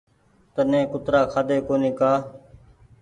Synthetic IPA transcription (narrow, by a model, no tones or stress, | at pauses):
t̪ənẽːkʊt̪ɾaːkʰaːd̪eːkoːnĩːkaː